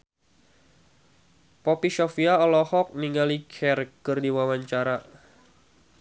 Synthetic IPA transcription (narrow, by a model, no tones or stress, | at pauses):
pɔpisofiaɔlɔhɔk̚niŋɡalikʰɛrkɨrdiwawaɲt͡ʃaɾa